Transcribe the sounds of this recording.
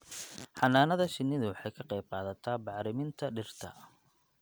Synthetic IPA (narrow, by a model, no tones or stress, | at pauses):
ħɑnaːnɐðɐʃɪnːɪðʊwɑħɑjkʰɐqɛjb̚qɑːðɐt̪ʰaːbɑʕɾɪmɪnt̪ʰɐɖɪrt̪ʰɐ̰